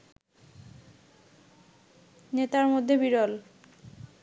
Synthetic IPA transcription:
net̪aɾmod̪ʱːebiɾol

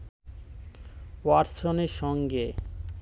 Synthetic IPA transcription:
waɾsoneɾʃɔŋɡe

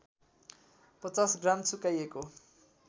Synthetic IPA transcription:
pɔt͡sasɡramt͡sʰukajeko

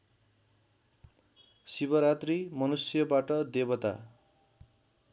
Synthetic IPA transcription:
sibʌɾat̪rimʌnusjʌbaʈʌd̪ebʌt̪a̰

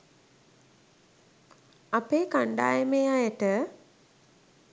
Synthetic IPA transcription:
apeːkaɳɖa̰ːjəmeːajəʈə

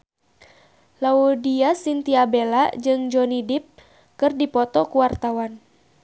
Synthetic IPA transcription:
laudiasint̪iabelad͡ʒɨŋd͡ʒɔnidip̚ | kɨrdipɔt̪ɔkuwart̪awan

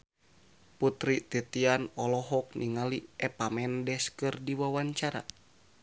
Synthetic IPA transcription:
put̪ɾit̪it̪ianɔlɔɦɔk̚niŋaliɛpamɛndɛskɨrdiwawaɲt͡ʃaɾa̰

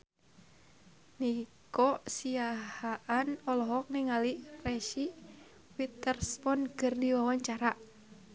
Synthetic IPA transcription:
nikɔsiahaʔanɔlɔɦɔk̚niŋalirɛʃi | wit̪ərspɔnkɨrdiwawaɲt͡ʃaɾa

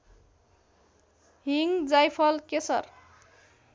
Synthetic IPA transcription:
ɦiŋɡd͡zajpʰʌlkesʌ̰r

